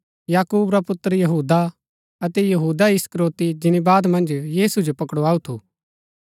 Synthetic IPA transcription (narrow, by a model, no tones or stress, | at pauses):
jaːkuːbɾapʊt̪ːəɾjɐɦuːd̪a | ɐt̪ɛjɐɦuːd̪aɪskɾoːt̪id͡ʒɪnibaːd̪mɐ̃nd͡ʒjiːsud͡ʒopɐkɽoaːut̪ʰuː